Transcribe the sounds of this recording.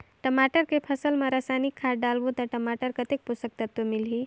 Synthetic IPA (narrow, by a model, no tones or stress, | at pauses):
ʈəmaʈəɾkepʰəsəlmãɾasajnikʰːaʈ̚ɖalʋut̪əʈəmaʈəɾkət̪ek̚pusək̚t̪ət̪wəmilɦi